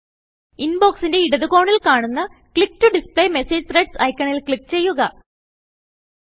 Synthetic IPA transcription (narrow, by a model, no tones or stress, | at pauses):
inbo̞ːksinde̞iɽɐðuko̞ːɳilkaːɳunːɐ | kɭik̚ːtuɖispɭejmeseːd͡ʑt̪reɖsɐ̰jkʲːɐɳilkɭik̚ːt͡ɕe̞jːuɣɐ